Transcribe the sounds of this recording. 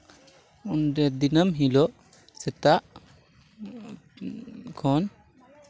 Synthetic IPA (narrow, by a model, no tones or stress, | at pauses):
undɛd̪inəmɦilɔʔ | sɛt̪aʔ | kʰɔn